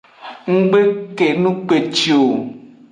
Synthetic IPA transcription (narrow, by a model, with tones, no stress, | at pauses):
ŋ̩˦ɡ͡be˦ke˨nũ˦k͡pe˨t͡ʃi˨o˨